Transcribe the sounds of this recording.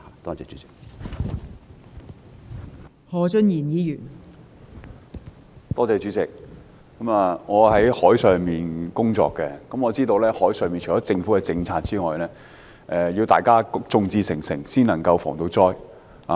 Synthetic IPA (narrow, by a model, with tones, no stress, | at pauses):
t̪ɔː˥t͡sɛː˨˧t͡ʃyː˨˦t͡sɪ̥˨k̚ | hɔː˨˧t͡ʃɵ˥njiː˨˩njiː˨˧jyː˨˩n | t̪ɔː˥t͡sɛː˧t͡ʃyː˨˥t͡sɪ˨˩k̚ː | ɐ˨˥maː˨ŋɔː˨˧hɐ˨˥jhɔː˨˥jsœː˨ŋmiː˨nkʊ˥ŋt͡sɔ̰ː˧kːɛ˧kɐ˨˥mŋɔː˨˧t͡siː˥t̪o˧wlɛː˥hɔː˨˥jsœː˨˧ŋmiː˨nt͡ʃʰɔ˨˦˥t͡sɪ˧ŋfuː˨˥kɛ˧t͡sɪ˧ŋt͡sʰaː˧t̚t͡siː˥ŋɔː˨jlɛː˥ | ʔɛː˧jiː˧wt̪aː˨jkaː˥t͡sʊ˧ŋt͡siː˧sɪ˨˩ŋsɪ˨˩ŋsiː˥nlɐ˨˩ŋkɐ˧wfɔ̰ː˨˩ŋt̪o˧wt͡sɔː˥j | a̰˨